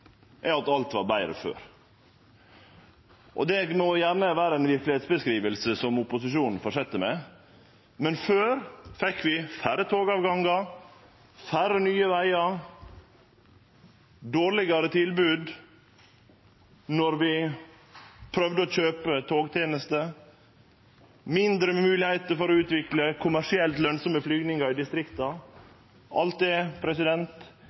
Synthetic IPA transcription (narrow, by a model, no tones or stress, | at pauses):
ʔɛɑt̪ɑlt̪ʋɑɾbæɪɾə̰fø̰ːɾ | ʔɔ̰d̪ɛɡmɔjæːɾnəʋæːɾəɛnʋɪɾklɪheːt̪sbəskɾiːʋəlsəsɔmʊpʊsɪʃuːnn̩fɔʂɛt̪ːəmɛ | mɛnføːɾfɛkːʋɪfæɾət̪ʰoːɡɑːʋɡɑŋɡɑ | fæɾənyːəʋæɪɑɾ | d̪oːɾɭɪɡɑɾət̪ʰɪlbʉːd̪ | nɔɾʋɪ | pʰɾœʋd̪əoːçøːpət̪ʰoːɡt̪ʰeːnəst̪ə | mɪnd̪ɾəmʉːlɪhæɪt̪əɾfɔɾɔʉːt̪ʋɪkləkʰʊmæʂɪɛlt̪lœnsɔməflyːɡnɪŋɑɾɪd̪ɪst̪ɾɪkt̪ɑ | ʔɑ̰lt̪̚d̪ɛpʰɾɛsɪd̪ɛnt̪